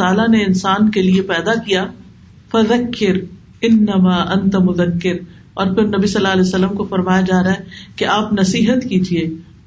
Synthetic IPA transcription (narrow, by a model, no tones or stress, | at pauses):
aːlaneɪnsaːnkeliepɛːd̪akijaː | fɐðɐkːɪɾ | ɪnːɐmaːʔɐ̃nt̪amʊðɐkːɪɾ | ɔːɾpɪɾnɐbisɐlːaːɐlɛsɐlːəmkofɐɾmaːjad͡ʒaːɾaɦɛkeʔaːpnɐsiːɦət̪kiːd͡ʒieː